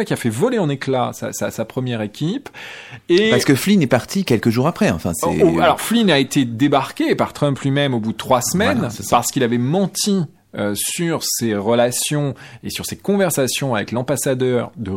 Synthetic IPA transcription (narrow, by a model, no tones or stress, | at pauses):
akiafɛvɔleɑ̃neklasa̰sasapχəmjɛʁekʲipepaʁəkəflinɛpaʁt̪ikʲɛlkəʒuʁapχɛɑ̰̃fɛ̰̃sɛ̰oalɔʁflinaet̪ed̪ebaʁkʲepaʁt̪χœ̃mplɥimɛmobud̪ət̪χwasmɛnpaʁsə̥kilavɛmɑ̃t̪i | øsyʁseʁəlasjɔ̃esyʁsekɔ̃vɛʁsasjɔ̃avɛklɑ̃basad̪œːʁd̪ə